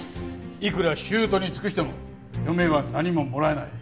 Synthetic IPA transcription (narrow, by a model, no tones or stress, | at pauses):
ikɯ̟ɾaɕɨːt̪o̞ɲ̟it͡sɨ̥kɯ̟ɕ̬i̥t̪e̞mo̞̰ | jo̞me̞βanaɲ̟imo̞mo̞ɾae̞nai